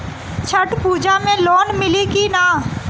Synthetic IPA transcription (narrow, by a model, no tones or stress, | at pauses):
t͡ʃʰəʈpuːd͡ʒamẽloːnmɪlikinaː